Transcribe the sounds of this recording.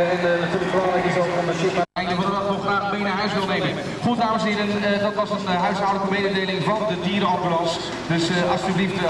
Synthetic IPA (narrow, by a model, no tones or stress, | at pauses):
ɛnnatyːləkflaləkɪsɔɔndəsɪtaɛjkəkʋəlˠədɔtnɔχraːχəbejnaɦœɥsʋɪlˠnejmən | χut̚daːmənsɪːɾəndɑtʋɑzənɦœɥsawdləkəmejdədejlɪŋvɑndədiːɾɑmbylɑns | dɵsɑstyblift